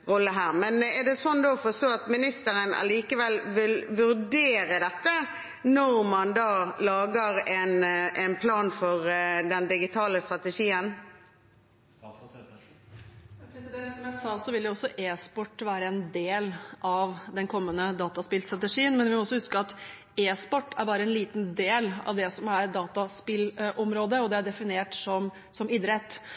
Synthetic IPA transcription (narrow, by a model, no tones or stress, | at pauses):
ʁɔlːəɦæːʁmɛnɛɖ̪ɛsɔnd̪oːɔfɔst̪oːɑt̪mɪnɪst̪əʁənɑ̰liːkəʋɛlʋɪlʋʉʁd̪eːɾəd̪ɛt̪ːə | nɔʁmɑnd̪ɑːlɑːɡəʁɛnʔɛnpʰlɑːnfɔʁd̪ɛnd̪ɪɡɪt̪ʰɑːləst̪ʁɑt̪əʂiːən | pʰɾɛsɪd̪ɛsɔmjæɪsɑːsɔʋɪljʊɔsːɔʔeːspɔʈːʋæːɾəɛnd̪eːlʔɑʋd̪ɛnkʰɔmːənəd̪ɑːt̪ɑspɪlst̪ɾɑt̪ɛʂiːənmɛnʋɪmɔɔsːɔhʉskəɑt̪ | eːspɔʈːæɾbɑːɾəɛnliːt̪nd̪eːlɑ̰ʋd̪ɛsɔmæɾɖ̪ɑːt̪ɑspɪlʔɔmɾoːd̪əɔd̪ɛæɖɛfɪneːʈsɔm | sɔmɪd̪ɾɛt̪ː